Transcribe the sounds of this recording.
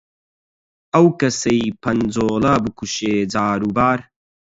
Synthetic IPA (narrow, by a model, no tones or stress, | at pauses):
ɐwkɐsɐjpʰɐnd͡zoːlɐbɨkuʃeːd͡zaːɾubaːɾ